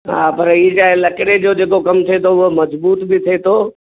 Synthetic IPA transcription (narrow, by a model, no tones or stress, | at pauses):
ɦa̰ːpɐɾɪt͡ɕaːɦelɐkɪɽed͡ʑoːd͡ʑeːkokɐmt̪ʰiet̪ʰoʊɦomɐzbuːt̪bɪt̪ʰet̪ʰoː